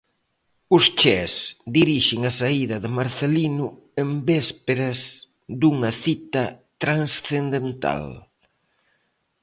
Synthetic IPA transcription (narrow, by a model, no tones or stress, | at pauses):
ʊst͡ʃɛsd̪iɾiʃɪŋɐsaiðɐðɪmaɾθelinʊ | embɛspeɾɐs | d̪uŋɐθit̪ɐt̪ɾaŋsθend̪ent̪a̰l